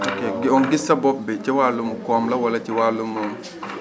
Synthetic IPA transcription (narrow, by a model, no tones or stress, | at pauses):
okeɡɪɔŋɡɪsɐbɔp̚bɪt͡ʃiwalumukɔmlɐwɐlɐt͡ʃiwalumoŋ